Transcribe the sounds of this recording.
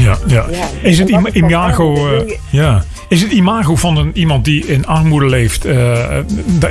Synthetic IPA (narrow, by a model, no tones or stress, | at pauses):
jajaɪsətiimaːɣow | jaː | ɪsətimaːɣowvɑnənimɑnt̚diɪnɑrmudəlejftə | d